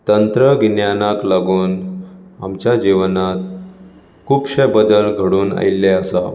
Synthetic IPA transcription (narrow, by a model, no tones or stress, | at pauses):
t̪ənt̪ɾəɡnjanaklaɡuːna̰mt͡ɕjad͡ʑiʋnat̪̚ | kʰuːpɕəbəd̪əlɡʱəɽuːna̰ilːeəsa